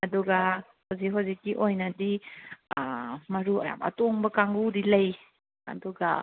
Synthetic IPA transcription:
adɔɡa | hoziɦɔzikiʔɔjnadiamaɾua̰ja̰ma̰tɔŋbəkaŋɡudiləj | a̰dɔɡa

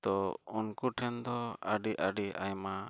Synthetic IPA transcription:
t̪ɔunkuʈʰɛnd̪ɔaɖiʔaɖiʔa̰jma

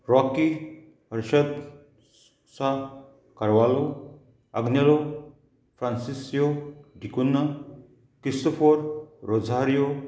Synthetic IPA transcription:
ɾɔki | ɦɐɾʃɐt̪ | sa | kɐɾʋaːlo | ɐɡnjɐlo | pʰɾansisjoɖʱikunːa | kistopʰoɾɾod͡zʱaɾjo

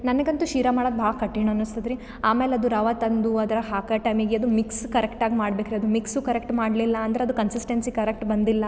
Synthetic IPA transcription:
nɐnɐɡɐnt̪uʃiːɾɐmaːɽod̪bʱaːɡɐkɐʈːiɳɐɐnːust̪ɐd̪ɾi | aːmeːleɐd̪uɾɐʋat̪ɐnd̪uɐd̪ɐɾɐɦaːkɐʈɐjmiɡeɐd̪umikskɐɾekʈaːɡimaːɽbeːkɐɾeɐd̪umiksukɐɾek̚ʈmaːɖlilːɐːnd̪ɐɾeɐd̪ukɐnsisʈensikɐɾek̚ʈbɐnd̪ilːɐ

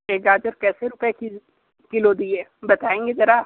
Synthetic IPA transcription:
eːɡaːd͡ʒəɾkɛːseɾʊpeki | kɪlod̪iebɐt̪aːẽːŋɡezɐɾa

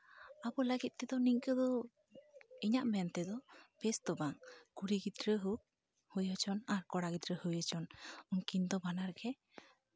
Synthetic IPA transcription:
abɔləɡit̪̚ˀt̪ɛd̪ɔniɲkəd̪ɔ | iɲaʔmɛant̪ɛd̪ɔpɛst̪ɔbaŋkuɾiɡit̪ɾəɦuk̚ | hujət͡ʃʰɔnaɾkɔɽaɡit̪ɾəhujət͡ʃʰɔnunkind̪ɔbanaɾɡɛ

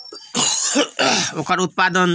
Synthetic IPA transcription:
okaɾut̪̚pad̪ɔn

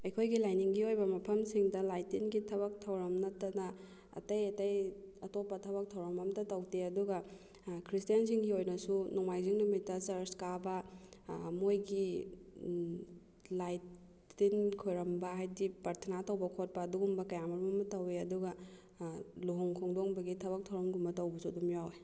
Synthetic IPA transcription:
ɐjkʰojɡilajniŋɡiojbɐmɐpʰɐmsiŋdɐlajtinɡitʰɐβɐk̚tʰɐwɾɐmnɐtːɐnɐ | ɐ̰tɐjɐtɐjɐtopːɐtʰɐβɐk̚tʰɐwɾɐmɐmtɐtɐwteɐduɡɐ | kʰɾistijans̬iŋɡiojnɐsunuŋmajziŋnumitːɐsɐɾskabɐ | mojɡi | lajtː | inkʰojɾɐmbɐɦajdipɐɾtʰɐnatɐwbɐkʰot̚pɐːduɡumbɐkɐjamɐɾmɐmɐtɐweɐduɡɐ | luɦoŋkʰoŋdoŋbɐɡitʰɐβɐk̚tʰɐwɾɐmɡumbɐtɐwbɐsudumjawe

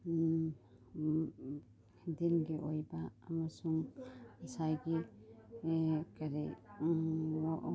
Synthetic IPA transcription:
dinɡeʔojbaːmasuŋasajɡe | kaɾe

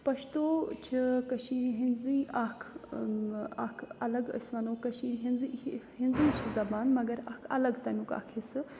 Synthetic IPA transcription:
pɐʃt̪oːt͡ʃʰikɐʃiɦinziːaːkʰ | aːkʰɐlɐɡɐ̰sʋɐnoːkɐʃiɦinziɦinziːt͡ʃʰizɐbaːnmɐɡɐɾaːkʰɐ̰lɐɡt̪ɐnʲuka̰ːkʰisɨ

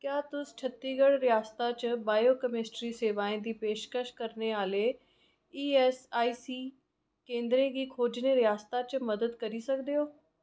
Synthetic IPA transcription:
kjaːt̪ʊst͡ʃʰət̪ːiːɡəɽɾɪjaːst̪at͡ʃbaːjoːkəmɪsʈɾiːseːʋaːẽd̪iːpeːʃkəʃkəɾneaːle | iːɛsaːiːsiː | kẽːnd̪ɾẽːɡiːkʰoːd͡ʒneːɾɪjaːst̪at͡ʃməd̪əd̪kəɾiːsəkd̪eɦoː

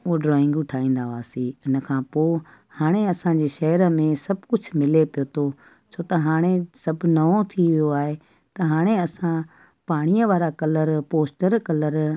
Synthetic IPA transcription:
ɖɾɔːɪ̃ŋɡʊʈʰaːĩːn̆d̪aʋaːsiʊnə̆kʰãːpoː | haːɽ̃eɐsãd͡ʑeːʃɐɦəɾə̆mẽsɐbʱkʊd͡ʑʱmɪlepijot̪ʰo | t͡ɕʰoːt̪ɐɦaːɽ̃esɐbnɐot̪ʰiʋijoaːɦe | t̪ɐɦaːɽ̃eɐsã | paːɽ̃ijəʋaːɾakɐləɾpoːsʈəɾkɐləɾ

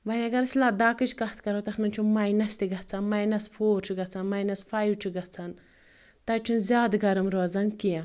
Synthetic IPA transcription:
bɐnʲiɐɡɐɾɨsʲlaːd̪aːkɨt͡ʃkɐht̪ʰkɐɾot̪ɐxnɐnt͡ʃʰumajnɐst̪iɡɐt͡sʰanmajnɐsfʰoːɾt͡ʃʰuɡɐt͡sʰanmajnɐsfʰajwt͡ʃʰuɡɐt͡sʰɐn | t̪ɐt͡ʃʰunzʲaːd̪ɡɐɾɐmɾoːzɐnkiẽ

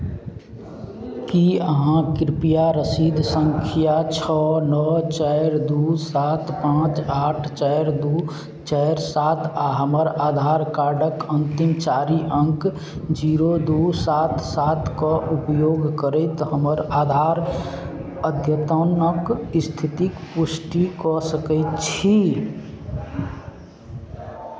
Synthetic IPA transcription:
kiəɦãkɾɪpijaɾəsid̪ʱsə̃ŋkʰijat͡ʃʰɔnɔt͡ʃɛɪɾd̪usaːt̪pãːt͡ʃaːʈʰt͡ʃaɪɾd̪u | t͡ʃəɾsaːt̪ʰaɦəməɾaːd̪ʱaːɾkaːɾɖəkə̃nt̪imt͡ʃaːɾiʔə̃ŋk | d͡ʒiɾod̪usat̪ʰsat̪ʰkɔʔupjoːɡkəɾəɪt̪ɦəməɾad̪ʱaɾ | əd̪ʱjət̪ənəkist̪ʰit̪ikpusʈikɔsəkəɪt̪̚t͡ʃʰi

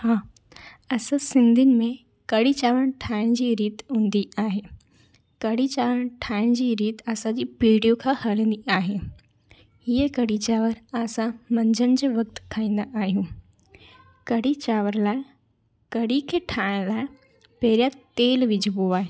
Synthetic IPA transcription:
haː | ɐsãsɪ̃nd̪ʱɪnɪ̆mẽ | kɐɽit͡ɕaːʋəɽ̃ʈʰaːɪɽ̃d͡ʑiːɾiːt̪ɦũːnd̪iʔaːɦeː | kɐɽit͡ɕaːʋəɽ̃ʈʰaːɪɽ̃d͡ʑiːɾiːt̪ɐsãd͡ʑiːpiːɽijokʰãhɐlə̃nd̪iaːɦe | iəkɐɽit͡ɕaːʋəɾaːsãmɐ̃ɲd͡ʑʱənɪ̆d͡ʑeːʋɐk̚t̪kʰaːĩːnd̪aʔaːɦijũː | kɐɽit͡ɕaːʋəɾlaːɪ | kɐɽikʰeːʈʰaːɪɽ̃laːɪ | peːɾijat̪eːlʋɪd͡ʑʱɪboaːɦeː

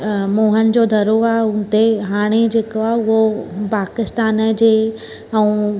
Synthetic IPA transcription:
moːɦənɪ̆d͡ʑod̪ʱɐɾoaʊnɪ̆t̪eɦaːɽ̃ed͡ʑeːkoaʊɦopaːkɪst̪aːnəd͡ʑeː | ɛ̃ũ

